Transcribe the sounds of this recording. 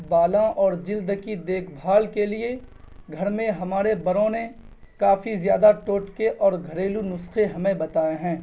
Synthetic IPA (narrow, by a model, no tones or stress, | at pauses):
baːlãʔɔːɾd͡ʒɪld̪kid̪eːkʰbʱaːlkelie | ɡʱɐɾmẽɦɐmaːɾebɐɾõne | kaːfizjaːd̪aʈoːʈkeʔɔːɾɡʱɐɾeːlunʊsxeɦɐmẽbɐt̪aːeɦɛ̃ː